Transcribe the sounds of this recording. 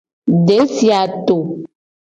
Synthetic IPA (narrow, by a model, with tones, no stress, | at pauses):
ɖe˨˦si˦a˨t̪o˨